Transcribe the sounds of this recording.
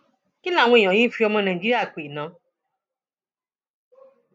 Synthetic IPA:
ki˦la˨ŋʷẽ˦˨ɲɔ̃˨jĩ˦fi˦ɔ˦mɛ̃˦˨nã˨d͡ʒi˦ɾi˦a˨k͡pe˨nɔ̃˨˦

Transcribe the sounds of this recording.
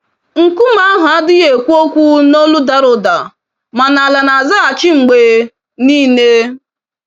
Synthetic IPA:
ŋ̩˨ku˦ma˦ɦʊ˨a˦dɪ˦ɣe˨kʷu˦o˦kʷu˦no˦lu˦da˦ɾʊ˨da˨ | ma˨na˨la˨na˨za˦a˨t͡ʃɪ˦ŋ͡m̩˨ɡ͡be˨ | niː˦ne˦

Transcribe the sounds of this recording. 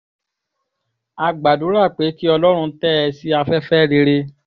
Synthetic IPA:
a˧ɡ͡ba˨du˨˦ɾa˦˨k͡pe˨˦ki˦ɔ˧lɔ˦ɾ̃ũ˧tɛ˦ɛ˧si˦a˧fɛ˦fɛ˦ɾe˧ɾe˧

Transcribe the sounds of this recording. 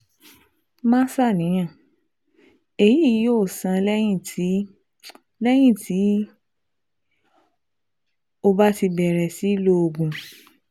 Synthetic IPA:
mã˦sa˦˨nĩ˨˦j̃ã˦˨ | e˨ji˦˨˦o˦˨sã˧lɛ˦jĩ˦˨˦ | lɛ˦j̃ĩ˦˨tʰi˨˦ | o˧ba˦ti˧bɛ˨ɾɛ˨si˨˦lo˦o˧ɡũ˧

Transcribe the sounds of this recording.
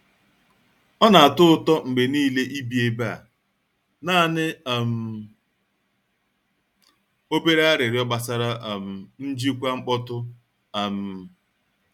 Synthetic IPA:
ɔ˦na˨a˨tʊ˦ʊ˦˨tɔ˦ŋ͡m̩˨ɡ͡be˨niː˦le˦ʔi˦bi˨e˨ba˦˨ | naː˦˨nɪ˦˨m̩˨ | o˦be˦ɾa˦a˦ɾɪ˨ɾɪ˨˦ɔ˦ɡ͡ba˨sa˦ɾa˦ʔm̩˨n̩˦d͡ʒi˦kʷa˦ŋ͡m̩˦k͡pɔ˦tʊ˦ | a˨m̩˨

